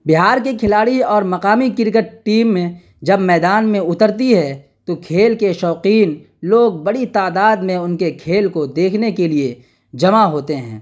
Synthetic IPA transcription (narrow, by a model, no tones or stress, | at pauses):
bɪɦaːɾkekʰɪlaːɽiɔːɾmɐqaːmikɪɾk̬əʈʈiːmːẽ | d͡ʒɐbmɛːd̪aːnmẽʊt̪əɾt̪̬iɦɛ | t̪okʰeːlkeʃɔːqiːn | loːɡ̚bɐɽit̪aːd̪aːd̪mẽʊnkekʰeːlkod̪eːkʰnekelie | d͡ʒɐmaɦoːt̪eɦɛ̰̃ː